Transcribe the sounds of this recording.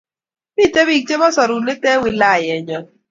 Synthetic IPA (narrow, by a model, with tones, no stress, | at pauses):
bi˦˨te˦βi˦˨k̚t͡ʃe˦mɔ˦sɔ˨ɾu˨nɪ˦tɛ˦wɪ˨la˦˨jɛ˨ɲɔ˨